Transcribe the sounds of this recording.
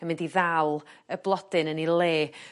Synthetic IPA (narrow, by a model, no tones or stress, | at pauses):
əmɪndiðalˠəblˠɔd̥ɨnənileː